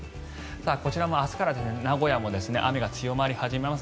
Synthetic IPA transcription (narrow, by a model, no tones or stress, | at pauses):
saːko̞t͡ɕiɾamo̞asɨ̥kaɾad̪e̞sɨnenaɡo̞jamo̞d̪e̞sɨne̞̰ʔamʲiɡat͡sɨjo̞maɾʲihaʑime̞mas